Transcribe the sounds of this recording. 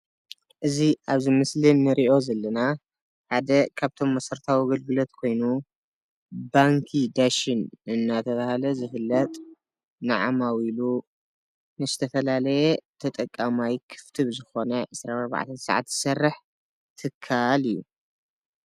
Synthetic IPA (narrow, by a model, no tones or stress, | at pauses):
ʔɨziʔaβzimɨslinːɨɾiʔo̞zɐlːɐna | ħad̪ɐkʰaβt̪ʰo̞mːɐsɐɾt̪ʰawiɡɐlɡɨlo̞t̪kʰo̞jnu | baŋkʰid̪aʃinɨnːat̪ʰɐβahalɐzɨfɨlːɐt̪ʼ | nɨʕa̰mawilu | nɨzɨt̪ʰɐfɐlalɐjɛt̪ʰɐt̪ʼɐkʼːamajkʰɨ̥ft̪ʰɨβzɨxo̞nɐʕɨsɾanɐɾβa̰ʕa̰t̪ʰɐsʕa̰t̪z̥ɨsɐrːɨħ | t̪ʰɨkʰːalijːu